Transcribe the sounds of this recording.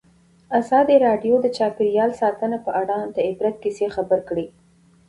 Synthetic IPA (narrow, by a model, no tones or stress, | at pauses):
azɑd̪iɾɑɖjod̪ət͡ʃɑpɪɾjɑlsɑt̪ənapəʔaɽɑd̪əɪbɾat̪̚kisexabəɾkɽi